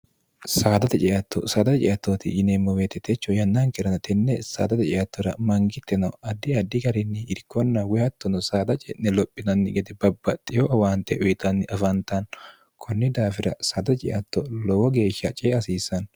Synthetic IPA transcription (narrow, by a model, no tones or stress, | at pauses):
saːd̪ɐt̪ɛt͡ʃʼɛʔɐt̪ːɔ̰sɐːd̪ɐt̪t͡ʃʼɪʔɐt̪ːoːt̪ɪ̰jɪnemːɔweːt̪ːɛt̪ːɛt͡ʃːɔjɐnːaŋkɛɾɐnɐt̪ɛnːɛsa̰ːd̪ɐt̪ɛt͡ʃʼɛʔɐt̪ːɔɾɐmɐŋɡɪt̪ːɛnɐɐd̪ːɪɐd̪ːɪɡɐɾɪnːɪɪɾkːɔnːɐwɛhɐt̪ːɔnɔsaːd̪ɐt͡ʃʼɛ̰ʔnɛlɔpʼːɪnɐnːɪɡɛd̪ɛbɐbːɐt̪ʼːɪjoʔɐwaːnt̪ɛʔʊjɪt̪ɐnːɪʔɐfɐnt̪ɐn | kʰɔnːɪd̪aːfɪɾɐsaːd̪ɐt͡ʃʼɪ̰ʔɐt̪ːɔlɔwɔɡe̞ːʃːɐt͡ʃʼeːɐsiːsɐn